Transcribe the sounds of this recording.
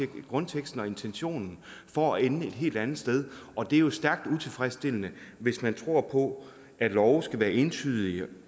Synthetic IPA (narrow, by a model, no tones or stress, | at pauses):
ɡ̥ʁɔ̽nt͡sʰeɡ̥sd̥n̩ɒ̽e̝nt͡sʰenɕo̝̰ːnn̩fɒ̽æenəe̝d̥ɦe̝̰ːld̥ænð̩ˠsd̥eð̞ˠʔɒ̽d̥e̝æɐjo̝sd̥æɐɡ̥̚d̥ut͡sʰe̝lfʁɛsd̥e̝lənəʋe̝smænt͡sʰʁo̝ɐ̰pʰɒ̽ | ʔæd̥lɒʊsɡ̥æʋæːɐʔe̝nt͡sʰy̰ːð̞ˠi